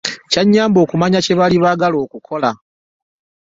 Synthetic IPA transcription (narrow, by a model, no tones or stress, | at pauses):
caɲːaːmbo̞ːkumaɲace̞βaliβaɡalo̞ːkukʰo̞la